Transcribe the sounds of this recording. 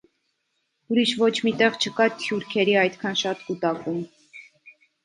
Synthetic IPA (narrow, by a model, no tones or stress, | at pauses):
uɾiʃvɔt͡ʃʰmit̪ɛʁt͡ʃʰəkɑt̪ʰjuɾkʰɛɾiɑjt̪kʰɑnʃɑt̪kut̪ɑkum